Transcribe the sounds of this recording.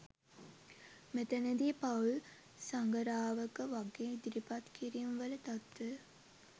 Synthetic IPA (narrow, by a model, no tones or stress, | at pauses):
met̪əned̪ipaul | saŋɡəɾaːʋəkəʋaɡeːd̪iɾipat̪kiɾimʋələt̪at̪ʋə